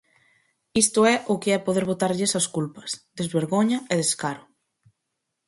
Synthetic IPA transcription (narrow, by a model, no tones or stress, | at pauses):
ist̪ʊɛʔʊkɪɛpoðeɾβ̞ot̪aɾʎesɐskulpɐ̥sðezβeɾɣoɲɐeðeskaɾʊ